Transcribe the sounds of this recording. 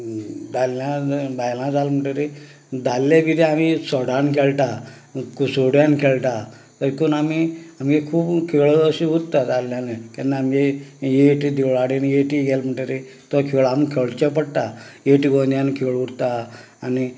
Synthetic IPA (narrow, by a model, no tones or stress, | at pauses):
d͡zalːabajlãd͡zalm̤əʈeɾe | d̪alːeʋid̪ʱeamisɔɽankʰeɭʈ̪a | kusoɽjankʰeɭt̪a | t̪əɾkonamiamɡekʰuːbkʰeɭəəɕiuɾt̪ad͡z̪alːjanekanːaamejeʈid̪iʋɭaɽenjeʈiɡɛlm̤əʈeɾe | t̪ɔkʰeɭamkʰeɭt͡ɕep̬əɽt̪ajeʈiɡond̪jankʰeɭuɽt̪aː | ni